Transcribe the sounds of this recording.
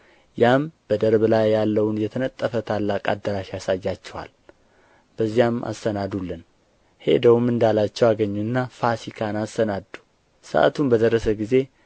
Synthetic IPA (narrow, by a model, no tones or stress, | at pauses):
jamb̥əd̪əɾβlajːalːəwunjɛt̪ʰənət̪ʼːəfət̪ʰalːakʼad̪ːəɾaʃjasajːat͡ʃːɛwa̰l | b̥əzːijamʔa̰st̪ənad̪ulːɨn | he̞̰d̪əwmɨnd̪alat͡ʃːɛwaɡəɲːunːafasikʰanast̪ənad̪u̥ | sə̰ʔa̰t̪ʰunbəd̪ərːəsəɡize̞